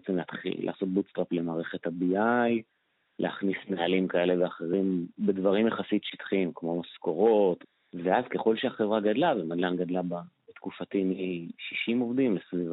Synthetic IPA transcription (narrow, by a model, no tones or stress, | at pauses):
t͡semleat̪χḭlːa̰ːso̞t̪̚but͡stʁaple̞maːʁeχe̞t̪habiaj | lʔeaχnisnealimkae̞le̞veaχe̞ʁimbe̞dvaʁimjeχasitʃi̥t̪χimkmo̞masko̞ʁo̞t̪ | veazke̞χo̞lʃeaχevʁaɡadlavemad̪lanɡad̪lababet̪kufat̪imiʃiʃimo̞vd̪imlesviv